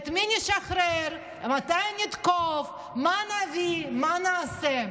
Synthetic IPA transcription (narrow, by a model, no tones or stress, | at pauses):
t̪miniʃaχɾɛɾ | mat̪ajnit̪kof | manavimanaːsɛ